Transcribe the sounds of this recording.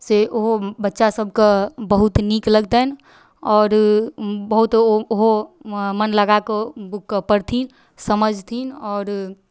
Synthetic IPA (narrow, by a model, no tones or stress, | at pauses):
seʔoɦobətːʃasəb̚ʱkebəɦut̪nikləɡd̪ɛn | ɔːɾ | bəɦut̪oɦomənləɡakebukːəpəɾt̪ʰin | səməd͡ʒʱt̪ʰinɔːɾ